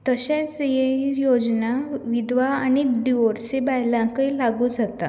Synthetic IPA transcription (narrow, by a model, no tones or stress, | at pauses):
t̪əɕẽt͡sjejod͡znaʋid̪ʋaañiɖiʋɔɾsibajlãkəilaɡuːd͡zat̪a